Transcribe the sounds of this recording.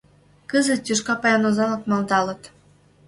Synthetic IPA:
kəzə̆t̪̚jʲuʃkɑpɑjɑnozɑlɤkmɑld̪ɑlɤ̆t̪

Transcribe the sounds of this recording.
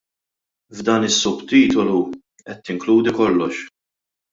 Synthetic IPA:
vd̪ɐːnɪsːʊbt̪iːt̪ɔlu | ʔɛt̪ːɪŋkluːd̪ikɔlːɔʃ

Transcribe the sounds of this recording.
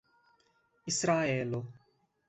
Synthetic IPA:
ɪsɾaːeːlo

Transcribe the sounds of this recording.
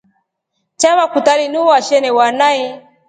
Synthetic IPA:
t͡ʃaβakutalinuwaʃɛnɛwanaɛ

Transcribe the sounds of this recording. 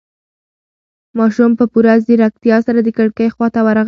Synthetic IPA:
mɑʃumpəpuɾazd̪əɾak̚t̪jɑsaɾad̪əkaɽkəjxwɑt̪awaɾaɣ

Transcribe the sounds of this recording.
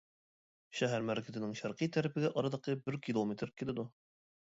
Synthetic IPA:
ʃæɦæɾmæɾkɘzɘ̆nɘŋʃæɾqit̪æɾɘ̆pɘ̆ɡæʔɒɾɑd̪ɑqɤbɘɾkʲilˠomʲet̪ɾkʲilɘd̪u

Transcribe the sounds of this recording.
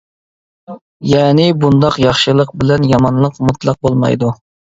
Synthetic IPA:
jɛːnɪbund̪ɑqjɑχʃɨlˠəq̚bɪlɛnjɑmɑnlˠəqmut̪lˠɑq̚bolˠmɑ̰jd̪u

